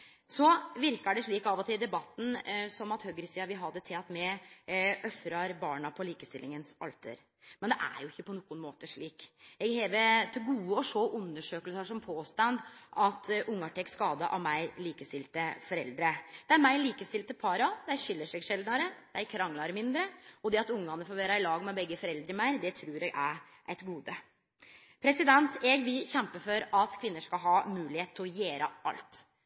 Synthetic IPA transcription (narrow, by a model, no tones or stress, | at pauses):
sɔʋɪɾkɑɖɛʂɭiːkɑʋɔt̪ʰɪld̪ɛbɑt̪ːn̩sɔmɑt̪høɡɾɪsiːɑʋɪɦɑd̪ːət̪ʰɪɑt̪mɛ | ʔœfɾɑɾbɑːɳɑpʰɔliːkəst̪ɪlɪŋənsɑ̰lt̪ʰə̰ɾ | mɛnd̪ɛʔæ̰ɾjʊɪçːəpʰɔnuːɡʊnmoːt̪əʂɭiːkɛɡheːʋət̪ʰɪlɡuːəɔʂoːʔʉnːəʂøːkəlsəʂɔmpʰoːst̪ɑnd̪ʔɑt̪ʔʊŋːɑʈʰɛkskɑːd̪əʔɑ̰ʋmæɪliːkəst̪ɪlt̪əfɔɾɛ̰ld̪ɾəd̪̥ɛæɾmæɪliːkəst̪ɪlt̪əpʰɑːɾɑd̪ɛæɕʏlːəʂɛɡʂɛld̪nɑɾəd̪ɛæɪkʰɾɑŋlɑɾəmɪnd̪ɾəɔd̪ɛɑt̪ʊŋːɑnːəfɔɾʋeːɾɑɪlɑːɡmɛbɛɡːəfɔɾɛld̪ɾəmæɪɾd̪ɛt̪ʰɾuːɾɛɡæɾ | ʔɛt̪ɡuːd̪ə | pʰɾɛsɪd̪ɛnt̪ɛɡʋɪlçɛmpəfɔɾɑt̪kʰʋɪnːəʂkɑɦɑːmʉːlɪheːt̪t̪ʰɪɔjeːɾəʔɑ̰lt̪